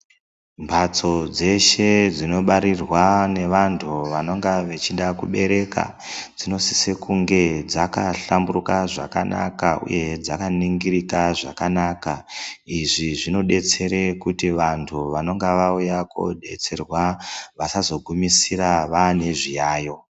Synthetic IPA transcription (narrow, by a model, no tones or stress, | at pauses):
mbʱat͡so̞d͡ze̞ʃe̞d͡zino̞ɓaɾirwane̞ʋantʰuʋano̞ŋɡaʋet͡ʃiɗakuɓe̞ɾe̞ka̰ | d͡zino̞si̥sekuŋɡe̞d͡zakaɬamburukaʐa̰ka̰na̰kaṵje̞d͡zakaniŋɡiɾikaʐakanakaiʐiʐino̞ɗe̞t͡se̞ɾekutiʋantʰuʋano̞ŋɡeʋaujako̰ɗe̞̰t͡se̞rwaʋasazo̞ɡʱumisiraʋane̞ʐijaːjo̞